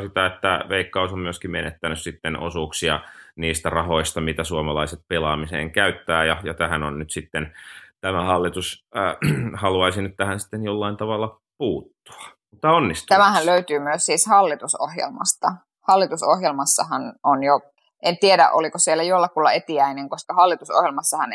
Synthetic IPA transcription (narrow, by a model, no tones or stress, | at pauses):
sit̪æet̪ːæʋeikːɑusommyøskimenḛt̪ːænyssit̪ːenʔo̰suːksiɑ̰niːst̪ærɑhoist̪ɑmit̪æsuomɑlɑiset̪̚pelɑːmisḛːŋkæyt̪ːæːjɑjɑt̪æhænonnyt̪sit̪ːent̪æmæhɑlːit̪us | hɑluɑisinyt̪t̪æhænsi̥t̪ːenjolːɑint̪ɑʋɑlːɑ | puːt̪ːu̥ɑ̥ | mut̪ːɑonːist̪t̪æmæhælløyt̪yːmyøssiːshɑlːit̪uso̰hjḛlmɑ̰st̪ɑ | hɑlːit̪usohjelmɑsːɑhɑnonjo | ʔent̪ieɾæ̰ʔo̰likosielːˑæjolːɑkulːɑet̪iæineŋkoskɑhɑlːit̪uso̰hjelmɑsːɑhɑn